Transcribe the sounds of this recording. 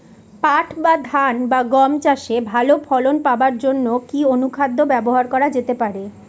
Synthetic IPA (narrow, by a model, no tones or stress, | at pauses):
paʈʰbad̪ʱanbaɡɔmt͡ɕaʃebʱalopʰɔlonpabaɾd͡ʑonːokionukʰad̪ʱːobɛboɦaɾkɔɾad͡ʑet̪epaɾe